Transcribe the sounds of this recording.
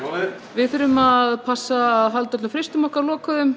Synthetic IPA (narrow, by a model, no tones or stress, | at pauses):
vɪðθʏɾʏmaðpʰasːaðɦalt̪at̪ʏfɾest̪ʏmɔhkaɾlɔːkaðʏm